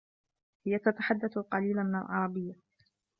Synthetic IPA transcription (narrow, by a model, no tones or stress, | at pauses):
hɪjat̪at̪aħad̪ːaθlqɑliːlamɪna̰lʕɑ̰ɾˤɑbɪjːa